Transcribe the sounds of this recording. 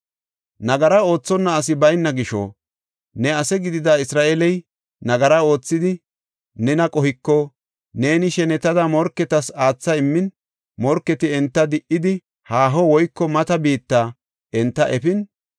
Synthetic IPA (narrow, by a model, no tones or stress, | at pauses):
nɐɡɐɾɐo̞ːt͡sːɔnːɐːs̬ɪbɐjnːɐɡɪʃɔ̰ | nɛɐsɛɡɪd̪ɪd̪aːɪsɾaːʔelɛj | nɐɡɐɾɐo̞ːt͡sːɪd̪ɪ | nɛnɐkʼɔhɪkːɔ | ne̞ːnɪʃɛnɛt̪ɐd̪ɐmɔɾkːɛt̪ɐsaːt͡sːɐɪmːɪn | mɔɾkːɛt̪ɪɛnt̪ːɐd̪ɪʔɪd̪ɪ | haːɦɔwɔjkːɔmɐt̪ɐbiːt̪ːaː | ɛnt̪ːɐʔɛpɪn